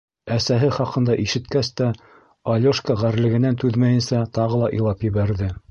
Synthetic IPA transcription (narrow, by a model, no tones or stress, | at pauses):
æsæɦɘχɑqɤ̆nd̪ɑʔiʃɘ̆t̪kæst̪æ | ɑlʲoʃkaʁæɾlɘ̆ɡɘ̆nænt̪ʉðmæjɘ̆nsæt̪ɑʁɤlˠɑʔḭlˠɑpjɘ̆βæɾðɘ